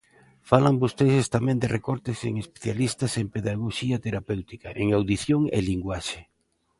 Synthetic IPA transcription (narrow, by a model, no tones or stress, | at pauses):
falambost̪esest̪amɛ̃nd̪ɪrʔekɔɾt̪ɪseŋespe̥θjalist̪asempeðaɣoʃiɐt̪eɾapewt̪ikaʔeŋawðiθjoŋḛliŋɡwaʃe